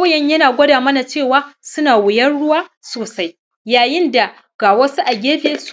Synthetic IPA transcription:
jɛ˦ɲjɐ˦naː˨ɡʷɐ˦daː˨mɐ˦na˨t͡ʃeː˦˨waː˦sʊ˦naː˨wɪ˨jɐ˦nɽʊ˦waː˦soː˨sa˦j | jaː˨jɪ˦nda˨ | ɡ̥aː˨wɐ˦su˦ʔa˨ɡʲeː˦beː˦s

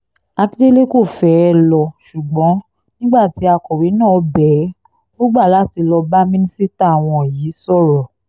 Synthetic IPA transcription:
a˧ki˦de˦le˦ko˦˨fɛ˦˧lɔ˧ʃu˨ɡ͡bɔ̃˨˦ | nĩ˦ɡ͡ba˦˨ti˨˦a˧kɔ˨ɾi˨˦nã˦˨˦bɛ˨˦ | bɔ˦ɡ͡ba˦˨la˨˦ti˧lɔ˧ba˦mĩ˦nĩ˦si˦ta˦˨a˨w̃ɔ̃˧˨jiː˨˦sɔ˦˨ɾɔ˨

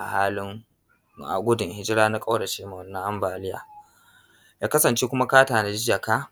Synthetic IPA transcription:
ʔa˨haː˦lɪ˦ŋ | ʔa̰˨ɡʷʊ˦dʊ˨ŋhɪ˦d͡ʒɪ˦ɾaː˦na˦kʼa˦wɽa˨ʃiː˦ma˨wɐ˨nːɐ˦ŋʔa˦mbaː˨lɪ˦ja̰ː˨ | jaː˦kɐ˦sɐ˨nt͡ʃeː˦kʷʊ˦ma˦kaː˦taː˨na˦d͡ʒɪ˦jɐ˨kaː˦

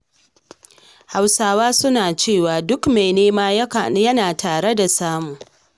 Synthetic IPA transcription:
ha˨wsaː˦waː˦sʊ˦naː˨t͡ʃeː˦˨waː˨dʊ˦kme˨jneː˦maː˦jjɐ˦naː˨tʰaː˨ɽe˦da˨saː˦mʊ˨ŋ

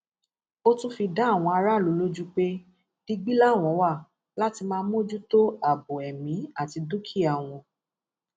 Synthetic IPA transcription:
o˦tũ˦fi˧da˦a˦˨w̃ɔ̃˧a˧ɾa˦˨lo˨˦lo˦d͡ʒu˦k͡pe˦ | d̥i˧ɡ͡bi˦la˦˨w̃ɔ̃˨˦wa˦˨ | la˦ti˧mãː˧˦mũ˦d͡ʒu˦to˦a˨bo˨ɛ˨mĩ˨˦a˦˨ti˧du˦kʰi˦a˨w̃ɔ̃˧

